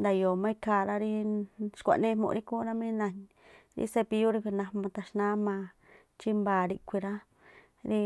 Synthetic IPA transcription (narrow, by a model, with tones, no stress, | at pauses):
nd̪a˧jo˨mã˦i˦˧ka˧˨ɾa˦ɾi˦ʃkʷa̰˨nẽ˦mõ̰˧ɾi˦ku˦ɾa˦mĩ˦nã˧ɲ | ɾḭ˧˦se˧pi˧ju˦ɾi˧kʷi˧nã˧mã˧t̪a˧ʃnã˦mã˧ | t͡ʃi˦mba˨ɾi˧kʷi˧ɾa˦ | ɾi˦